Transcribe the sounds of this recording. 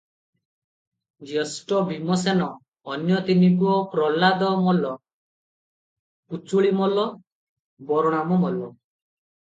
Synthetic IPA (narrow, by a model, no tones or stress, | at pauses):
d͡ʒesʈɔbʱimɔsenɔː | njɔt̪inikuɔpɾɔlad̪ɔmɔlɔ | put͡suɭimɔlɔ | bɔɾɔɽ̃amɔmɔlɔ